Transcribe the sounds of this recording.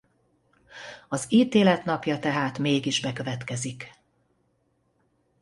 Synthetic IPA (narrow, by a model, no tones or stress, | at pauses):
ɒziːt̪eːlɛt̪nɒpjɒt̪ɛɦaːt̪meːɡiʒbɛkø̞vɛt̪kɛzik